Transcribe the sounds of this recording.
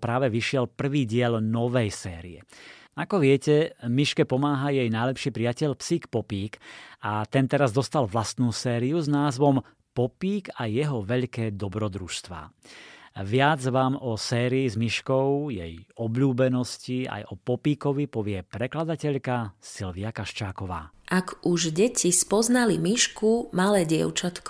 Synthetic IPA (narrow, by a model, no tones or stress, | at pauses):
pɾaːʋɛʋiʃɪɛlpr̩ʋiːɟɪɛʎnɔʋɛjsɛːɾḭɛ | akɔʋɪɛcɛmiʃkɛpɔmaːɦajɛjnajlɛpʃiːpɾijacɛʎpsiːkpɔpiːkat̪ɛnt̪ɛɾazd̪ɔst̪alʋlast̪nuːsɛːɾiuznaːzʋɔm | pɔpiːɡajɛɦɔʋɛʎkɛːd̪ɔbɾɔd̪ɾuʃst̪ʋa̰ː | ʋɪad͡zʋaːmɔsɛːɾiːzmiʃkɔʊjɛjɔbʎuːbɛnɔscia̰jʔɔpɔpiːkɔʋipɔʋɪɛpɾɛklad̪acɛʎkasilʋiakaʃt͡ʃaːkɔʋa̰ː | ʔakuʒɟɛcʰispɔznalimiʃkumalɛːɟɪɛ̰ʊt͡ʃat̪k